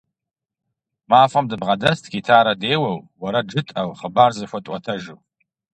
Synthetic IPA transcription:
maːfɐmdɨbʁɐdɐstʰɡʲitʰaːɾɐdeːwɐwwɐɾɐd͡ʒɨtʼɐwχəbaːrzɨɕʷɐtʼɐtʰɐʒɨw

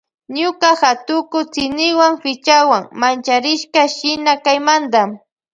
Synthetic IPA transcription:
ɲʊkaxat̪ʊkʊt͡sɪnɪwaŋfɪt͡ʃawaŋmant͡ʃaɾɪʃkaʃɪnakajmand̪am

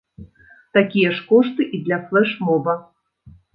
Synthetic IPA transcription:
t̪akʲijɐʂkɔʂt̪ɨʔid̪lʲaflˠɛʂmɔbɐ

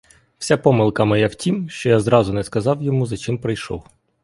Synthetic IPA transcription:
w̥sʲapɔmɪlˠkɐmɐjɛwtʲimʃt͡ʃɔjazɾɑzʊnɛskɐzɑwjɔmuzɐt͡ʃɪmpɾɪjʃɔ̰w

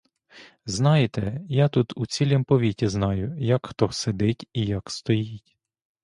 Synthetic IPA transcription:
znɑjet̪ɛjat̪ut̪ut͡sʲilʲɛmpɔʋʲitʲiznɑjʊjɐkxt̪ɔsed̪ɪtʲijɐkst̪ɔjitʲ

